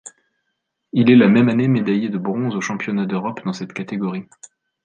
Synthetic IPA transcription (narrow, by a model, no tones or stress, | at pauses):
ilɛlamɛmanemed̪ajed̪əbʁɔ̃zoʃɑ̃pjɔnad̪øʁɔpd̪ɑ̃sɛt̪kat̪eɡɔʁi